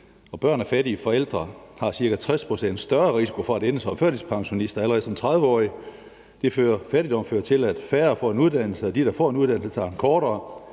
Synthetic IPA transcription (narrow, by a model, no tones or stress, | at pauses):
ɒ̽b̥ɶɐ̰næfæɾiːfɒ̽el̰d̥ʁɐhɑ̈siɐkʰæt͡sʰʁɛspʰʁo̝sen̰d̥sd̥ɶɐʁisi̥kʰo̝fɒ̽æɾenəsɒ̽mføɐɾispʰɑ̈ŋɕo̝nisd̥ɐæləʁɛð̩ˠsɒ̽mt͡sʰʁɑ̈ð̞ˠʋəɒ̰ːi | d̥e̝føːɐfæɾ̥id̥ɒ̽m̰føːɐt͡sʰe̝læd̥fæːɐfɒ̰ːe̝nuð̞ˠd̥æn̰l̩səd̥iɾ̥ɑ̈fɒ̰ːe̝nuðˠd̥æn̰l̩sət͡sʰɑ̈nkʰɒːɾɐː